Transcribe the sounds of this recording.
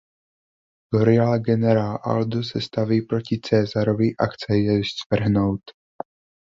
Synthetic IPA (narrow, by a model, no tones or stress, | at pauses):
loɾɪalɡɛnɛɾaːlʔa̰ld̪usɛst̪aviːpɾo̞cɪt͡sɛːzaɾo̞vɪʔaxt͡sɛjɛst̪vr̩ɦno̞wt̪